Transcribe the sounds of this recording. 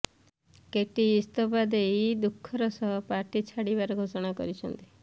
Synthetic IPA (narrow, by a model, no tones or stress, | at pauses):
keʈiːst̪ɔpad̪eid̪ukʰːɔɾɔsɔɦɔpaʈit͡ʃʰaɽibaɾɔɡʱosɔɽ̃akɔ̰ɾit͡ʃʰɔnt̪i̥